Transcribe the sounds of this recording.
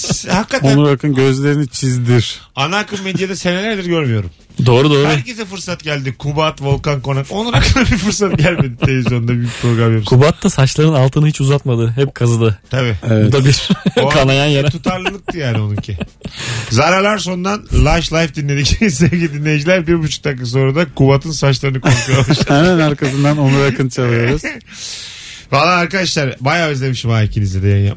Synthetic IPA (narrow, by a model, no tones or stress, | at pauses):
shakːat̪oænuɾakʰɯnɟøzlʲe̞ɾinit͡ʃʰizd̪iɾ̥ | anaːkɯmme̞d̪jad̪ɛse̞nelʲæɾd̪iɾɟø̞ɾmyjo̞ɾum | d̪o̞ːɾud̪o̞ːɾuæɾcʰed͡ʒɛfɯɾsat̪ɟælʲd̪ikʰubaːt̪vo̞lˠkanko̞nako̞nuɾakʰɯd̪abiɾfɯɾsat̪ɟælʲme̞d̪it̪ʰelʲevizjo̞nnd̪abyjyc̚pʰɾo̞ɡɾamjeɾkʰubat̪ʰːasat͡ʃlˠaɾɯnalˠt̪ʰɯnɯhit͡ʃuzat̪mad̪ɯɦɛp̚kʰazɯd̪ɯt̪ʰabievɛd̪abiɾkʰanajanjat̪ʰut̪ʰaɾlˠɯalˠɯk̚t̪ɯjaːnio̞nuncʰi | zaɾalˠaɾs̬o̞nd̪anlˠaʃlˠajfd̪inːʲe̞d̪icsɛɟilid̪inlːʲe̞jid͡ʒilʲæɾbiɾbut͡ʃʰu̥k̚t̪ʰakːas̬o̞ːɾad̪akubat̪ʰɯnsat͡ʃlˠaɾɯnɯkʰonuʃujaʃaanænaɾkʰas̬ɯnd̪anonˠaɾakʰɯnt͡ʃʰalˠɯjoɾuz | valˠːaːaɾkad̪aʃlˠaɾbajaːøzlʲe̞miʃimaːicʰinizid̪ɛjanja̰